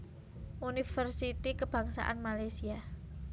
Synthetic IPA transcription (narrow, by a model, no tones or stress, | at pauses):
ʔunifərsit̪ikəb̥ä̤ŋsa̰ʔa̰nmalajsia